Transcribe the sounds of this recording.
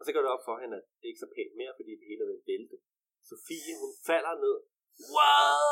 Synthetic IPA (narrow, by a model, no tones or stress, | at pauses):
ɒ̽sɒɡ̥ɔɐd̥eɒ̽b̥fɒ̽ɦenæd̥d̥e̝e̝ɡ̥sɒ̽pʰḛnme̝ːɐfɒd̥ḭːd̥e̝he̝ːləæʋelʋeld̥ə | so̝fḭːhunfæl̰ɐne̝ð̞̰ˠ | wa